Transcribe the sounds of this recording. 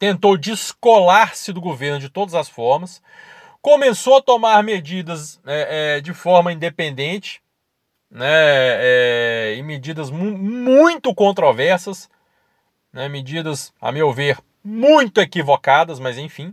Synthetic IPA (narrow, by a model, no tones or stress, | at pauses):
t̪ẽnt̪owd͡ʒɪskolaɾsɪd̪ʊɡoveɾnʊd͡ʒɪt̪od̪ɐzɐsfɔɾmɐs | kõmesowɐt̪omaɾmed͡ʒid̪ɐsɛɛd͡ʒɪfɔɾmɐĩnd̪epẽnd̪ẽnt͡ʃɪ̥ | nɛɛɪmed͡ʒid̪ɐzmmũj̃t̪ʊkõnt̪ɾovɛɾsɐs | nɛmɪd͡ʒid̪ɐsɐ̰mewveɾ | mũj̃t̪ʊekivokad̪ɐsmɐzẽj̃fĩ